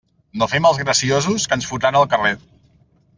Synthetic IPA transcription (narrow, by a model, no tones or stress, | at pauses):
nofɛməlˠzɣɾəsiozuskənsfut̪anəlˠkəre